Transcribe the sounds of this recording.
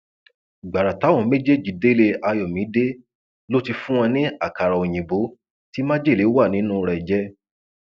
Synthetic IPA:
ɡ͡ba˨ɾa˨ta˨˦wɔ̃˨˧˨me˦d͡ʒe˦˨d͡ʒi˨˦de˦le˧a˧jɔ˨mĩ˨˦de˦ | lo˦ti˧fũ˦wɔ̃˧nĩ˦a˦˨ka˨ɾa˨o˨j̃ĩ˨bo˨˦ | ti˦mãː˦d͡ʒe˦˨le˨˦wa˦˨nĩ˨˦nũ˦˧ɾɛ˧˨d͡ʒɛ˦

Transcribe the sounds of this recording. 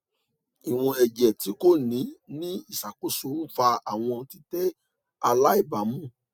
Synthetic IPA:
i˨w̃ɔ̃˧ɛ˨d͡ʒɛ˨ti˨˦ko˦˨nĩ˨˦nĩ˦i˦˨sa˨k͡po˨˦so˦˨˦n̩˦fa˧a˨w̃ɔ̃˧ti˦tɛ˦ | a˧la˦i˦˨ba˨mũ˦˨

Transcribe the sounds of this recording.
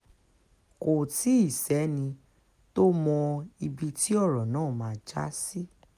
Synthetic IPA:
ko˨ti˨˦i˦˨sɛ˨˦nĩ˧ | to˦mɔ̃˧i˧bi˧ti˦ɔ˦˨ɾɔ˨nãː˦˨mãː˧d͡ʒa̰˦si˦

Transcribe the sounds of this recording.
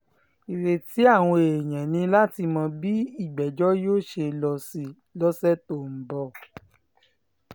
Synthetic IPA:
i˨ɾe˨ti˨˦a˦˨w̃ɔ̃˧e˨j̃ɛ̃˨nĩ˧la˦ti˧mã˧bi˦i˦˨ɡ͡bɛ˨d͡ʒɔ˦joː˦˨ʃe˧lɔ˧si˧ | lɔ˦sɛ˦to˦˨m̩˨bɔ˧˨

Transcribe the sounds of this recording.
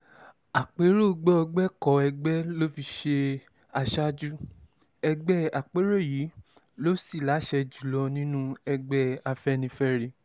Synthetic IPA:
a˨k͡pe˨˦ɾo˦˨ɡ͡bɛ˦ɔ˧ɡ͡bɛ˦kɔ˨ɛ˧ɡ͡bɛ˦lo˦fi˧ʃe˧ | a˧ʃa˦d͡ʒu˦ | ɛ˧ɡ͡bɛ˦a˨k͡pe˨˦ɾo˦˨ji˨˦ | lo˦si˦˨la˨˦ʃɛ˧d͡ʒu˨lɔ˧nĩ˦nũ˦ɛ˧ɡ͡bɛ˦a˧fɛ˦nĩ˧fɛ˦ɾe˧

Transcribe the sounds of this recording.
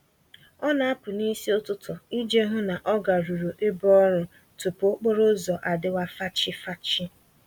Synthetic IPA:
ɔ˦na˨a˦pʊ˨ni˦si˦o˦tʊ˦tʰɔ˨i˦d͡ʒe˦ɦʊ˦na˨ʔɔ˦ɡa˨ɾu˨ɾu˨ʔe˦bɔ˦ɾʊ˦ | tʊ˨po˦k͡po˦ɾʊ˦zɔ˨ʔa˨dɪ˦wa˦fa˦t͡ʃɪ˦fa˦t͡ʃɪ˦

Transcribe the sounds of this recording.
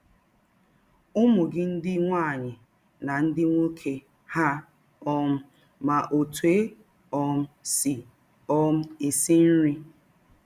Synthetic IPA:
ʊ˦mʊ˨ɡɪ˦n̩˦dɪ˦ŋʷa˦˨ɲɪ˨ | na˨n̩˦dɪ˦ŋʷo˦kʰe˦ | ha˦ | ɔ˦m̩˦ | ma˨ʔo˨tu˨e˦ | ɔ˦m̩˦si˨ | ɔ˦m̩˦i˨si˦n̩˦ɾɪ˦

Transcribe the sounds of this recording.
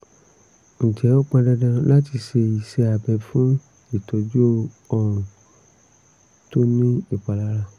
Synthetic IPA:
n̩˨d͡ʒɛ˨˦o˦k͡pã˧dɛ˧dã˧la˦ti˧ʃe˧i˨ʃe˧˦a˨bɛ˧fũ˦ | i˦˨tɔ˨d͡ʒo˦ | ɔ˦ɾ̃ũ˨ | to˦nĩ˦i˨k͡pa˨la˦ɾa˧˨

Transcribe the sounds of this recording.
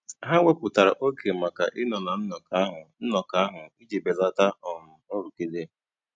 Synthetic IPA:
ɦa˦wʷe˦pʊ˨ta˨ɾa̰˨ʔo˦ke˨ma˨ka̰˨ʔɪ˦nɔ˨na˨n̩˦nɔ˨ka˦ɦʊ˨n̩˦nɔ˨ka˦a˦ɦʊ˨i˦d͡ʒe˨be˨za˦ta˦ɔ˨m̩˨o˦ɾu˨ke˦de˦

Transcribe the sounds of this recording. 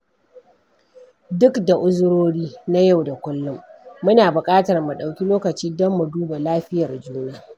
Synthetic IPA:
dʊ˦kda˨ʔʊ˦zʊ˦ɾoː˦ɽiː˦na˦ja˦˨wda˨kʷʊ˦lːʊ˦mːʊ˦naː˨bʊ˨kʼaː˦tɐ˨rmu˨ɗa˨wkʲi˦loː˦kɐ˨t͡ʃiː˦dɔ˦mːu˨duː˦ba˨laː˦ɸɪ˦jɐ˨rd͡ʒuː˦naː˦

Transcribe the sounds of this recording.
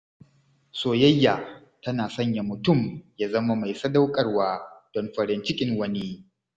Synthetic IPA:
soː˨jɐ˦jːa˨ | tɐ˦naː˨sɐ˦ɲja˨mʊ˨tʊ˦˨mjaː˦zɐ˦ma˦ma˨jsɐ˦da˦wkʼɐ˦rwaː˦d̥ɔ˨nɸɐ˨ɾɪ˨nt͡ʃɪ˦kʲʼɪ˦ŋwɐ˦ni˦

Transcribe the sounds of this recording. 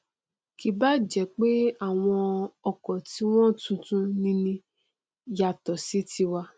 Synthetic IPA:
ki˨ba˦d͡ʒɛ˨k͡pe˦a˦˨w̃ɔ̃˧ɔ˨kɔ˨ti˨˦w̃ɔ̃˦tũ˧tũ˧nĩ˧nĩ˧ | ja˨tɔ˨si˨˦ti˧wa˧

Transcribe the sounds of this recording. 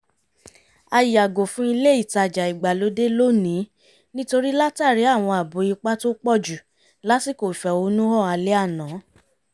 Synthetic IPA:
a˧ji˨a˨ɡo˨fũ˨˦i˧le˦i˦˨ta˧˨d͡ʒa˨i˨ɡ͡ba˨lo˨˦de˦lo˦nĩ˨˦ | nĩ˦to˧ɾi˦la˦ta˦˨ɾi˨˦a˦˨w̃ɔ̃˧a˨bo˨˦i˧k͡pa˦to˦k͡pɔ˦˨d͡ʒu˨ | la˨˦si˦˨ko˨fɛ˨o˧˦nũ˦hɔ˦˨a˧le˦a˦˨nã˨˦

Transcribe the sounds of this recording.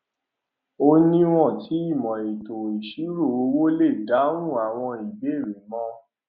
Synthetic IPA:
o˦nĩ˦w̃ɔ̃˦˨ti˨˦i˦˨mɔ̃˨e˨to˨i˨ʃi˨˦ɾo˦˨o˧wo˦le˦˨da˨˦ɾũ˦˨a˨w̃ɔ̃˧i˨be˨˦˨ɾe˨˦mɔ̃˦

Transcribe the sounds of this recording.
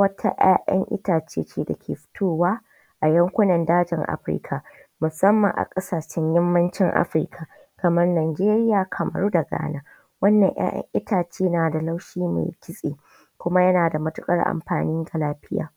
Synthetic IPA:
wɐ˦tʰa̰˦ʔa̰ː˦ʔɐ̰˦ŋʔɪ̰˦taː˨t͡ʃḛː˦t͡ʃeː˦da˨kʲʰeː˨ɸɪ̥˦tʰoː˦waː˦ | ʔa˨jɐ˦ŋkʷʊ˦nɐ˨ndaː˦d͡ʒɪ˨ŋʔa̰˦ɸɾɪ̰˦kʰa˨mʊ˨sɐ˦mːɐ˨ŋʔa̰˨kʼɐ˦saː˨ʃɛ˦ɲjɪ˦mːɐ˦nt͡ʃɪ˦ŋʔa̰˦ɸɾɪ̰˦kʰa˨ | kɐ˨mɐ˦rnaː˨jd͡ʒeː˦ɾɪ˦jaː˨kʰɐ˨mɐ̰˨ɾuː˦da˨ɡa̰ː˦naː˦ | wɐ˦nːɐ̰˨ŋj̰a̰ː˦ʔɐ̰˦ŋʔɪ˦tʰaː˨t͡ʃeː˦naː˨da˨la˦wʃiː˦ma̰˨jkʲɪ˦sʼḛː˨ | kʷʊ˦ma˦jɐ˦naː˨da˨mɐ˦tʊ˦kʼɐ̰˦rʔa̰˨mɸa̰ː˨niː˦ŋɡa˨laː˦ɸɪ˦ja̰ː˨

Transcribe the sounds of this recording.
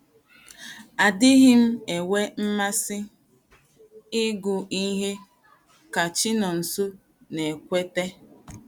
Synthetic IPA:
a˨dɪ˦ɣɪ˦m̩˦e˨we˦m̩˦ma˦sɪ˦ | ɪ˦ɡʊ˨i˦ɦe˦ | ka˨t͡ʃɪ˦nɔ˨n̩˨su˦ | ne˨kʷe˦te˦

